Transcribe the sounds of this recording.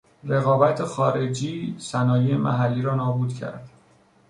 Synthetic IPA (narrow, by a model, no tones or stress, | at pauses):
re̞ɣɒːbæt̪ʰexɒːɾe̞d͡ʒiːsænɒːjejemʔæ̰ɦælːiːɾɒːnɒːbuːd̪cʰæ̰ɾd̪̥